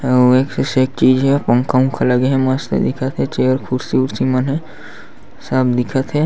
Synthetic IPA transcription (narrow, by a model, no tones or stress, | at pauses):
eːksesek̚t͡ʃiːd͡ʒɦɛpə̃ŋkaũkʰalɐɡeɦɛ̃mɐst̪ḛd̪ɪkʰət̪ɦɛt͡ʃeːjəɾkʰʊɾsiuɾsimənɦɛ | sɐbd̪ɪkʰət̪ɦɛ